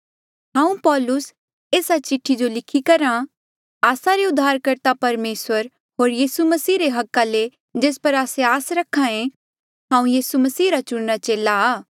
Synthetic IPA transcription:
ɦãːũpɔːlʊs | eːsat͡ʃɪʈʰːid͡ʒolɪkʰikɐɾã | aːsaɾeʊd̪ʱːaːɾkɐɾt̪apɐɾmeːswəɾ | ɦoːɾjiːsumɐsiːɾeɦɐkːale | d͡ʒeːspɐɾaːseaːsɾɐkʰːãẽ | ɦãːũjiːsumɐsiːɾat͡ʃʊɽnat͡ʃeːlaaː

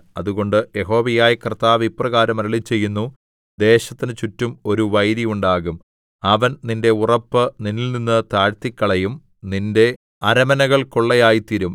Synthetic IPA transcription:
ɐ̰ðuɣo̞ɳɖɨje̞ɦo̞ːʋijaːjikrɨt̪aːʋiprɐɣaːɾɐmɐɾɐɭit͡ɕːe̞jːunːu | d̪e̞ːɕɐt̪ːinɨt͡ɕutːumo̞ɾuʋɐjɾijuɳɖaːɣum | ɐʋɐnninde̞urɐpːɨninilninːɨt̪aːɻt̪ikʲːɐɭɐjum | ninde̞ | ɐɾɐmɐnɐɣɐɭkoɭːɐjaːjit̪iɾum

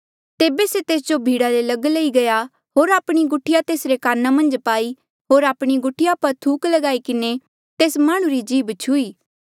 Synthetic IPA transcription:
t̪eːbeset̪eːsd͡ʒobʱiːɽalelɐɡlɐiɡɐja | ɦoːɾaːpɽ̃iɡʊʈʰːɪjat̪eːsɾekaːnamɐ̃nd͡ʒpaːi | ɦoːɾaːpɽ̃iɡʊʈʰːɪjapɐɾt̪ʰuːklɐɡaːikɪne | t̪eːsmaːɽ̃ũɾid͡ʒiːbt͡ʃʰuiː

